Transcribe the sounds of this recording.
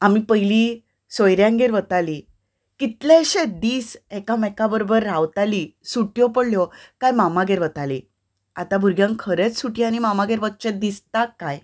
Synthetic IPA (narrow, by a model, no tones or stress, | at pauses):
amipəɦjli | sɔjɾjãŋɡeɾʋət̪ali | kit̪leɕed̪iːsekamɛkabəɾobəɾːawt̪alisuʈjɔpəɽljɔkajmamaɡeɾʋət̪ali | a̰t̪abʱuɾɡjãŋkkʰəɾet͡ssuʈiañimamaɡeɾʋət̪̚t͡ɕẽt̪̚d̪ist̪akːaj